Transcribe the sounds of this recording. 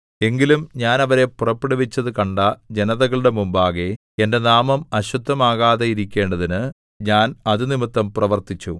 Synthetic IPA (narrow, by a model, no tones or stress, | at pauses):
e̞ŋɡilumɲaːnɐʋɐɾe̞purɐpːeɽiʋit͡ɕːɐðɨkɐɳɖɐd͡ʑe̞nɐðɐɣɐɭɨɽe̞mumbaːɣe | e̞nde̞naːmɐmɐɕud̪ʱːɐmaːɣaːðejiɾikʲːe̞ːɳɖɐðinɨ | ɲaːnɐðɨnimit̪ːɐmprɐʋɐrt̪it͡ɕːṵ